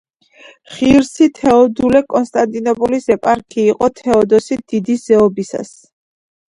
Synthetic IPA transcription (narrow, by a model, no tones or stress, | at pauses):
χiɾsit̪ʰɛɔd̪ulɛkʼɔnst̪ʼant̪ʼinɔpʼɔlisɛpʼaɾkʰiːqʼɔt̪ʰɛɔd̪ɔsid̪̥id̪isz̥ɛɔbisa̰s